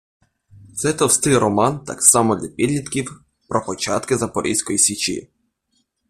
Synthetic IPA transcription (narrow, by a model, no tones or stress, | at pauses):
t̪sɛt̪ɔwst̪ɪjɾɔmɑnt̪ɑ̰ksɑmɔd̪lʲapʲid̪lʲit̪kʲiw | pɾɔpɔt͡ʃɑt̪kɪzɐpɔɾʲʔḭsʲkɔjisʲit͡ʃḭ